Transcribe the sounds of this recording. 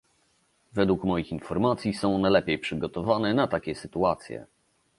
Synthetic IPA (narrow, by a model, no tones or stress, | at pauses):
vɛd̪wukmɔjixinfɔɾmat̪sʲjisɔ̃w̃najlɛpʲejpʂɘɡɔt̪ɔvanɛnat̪akʲɛsɘt̪uat̪sʲjɛ̰